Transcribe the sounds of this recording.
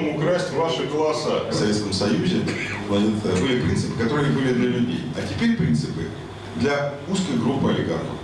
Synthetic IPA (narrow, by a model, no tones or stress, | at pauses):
mʊkɾasʲtʲvaʂɨklˠasːəfsɐvʲet̪skəmsɐjuzʲɪnɐnʲɪt̪əbɨlʲɪpɾʲint̪sɨpɨkɐt̪o̞ɾɨjəbɨlʲɪd̪lʲɐlʲʉdʲḛjɐtʲɪpʲeɾʲpɾʲint̪sɨpɨ | d̪lʲɐ | uskəjɡɾupːɨɐlʲɪɡa̰rnə̰f